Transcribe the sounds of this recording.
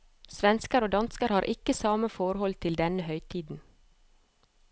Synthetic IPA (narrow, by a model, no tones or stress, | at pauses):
sʋɛnskəɾoːd̪ɑnskəɾhɑːɾʔɪkəsɑːməfɔɾhɔlt̪ʰɪld̪ɛnəhœʏt̪ʰiːd̪n̩